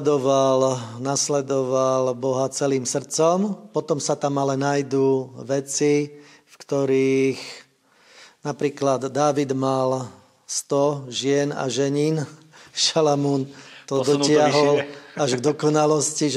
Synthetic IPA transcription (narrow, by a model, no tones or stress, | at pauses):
d̪ɔʋalnaslɛd̪ɔʋalbɔɦat͡sɛliːmsr̩t͡sɔmpɔt̪ɔmsat̪amalɛnajd̪uːʋɛt͡si | fkt̪ɔɾiːx | napɾiːklad̪ːaːʋid̪mal | st̪ɔʒɪɛna̰ʒɛɲiːn | ʃalamuːnt̪ɔd̪ɔcɪaɦɔlaʒɡd̪ɔkɔnalɔsciʒ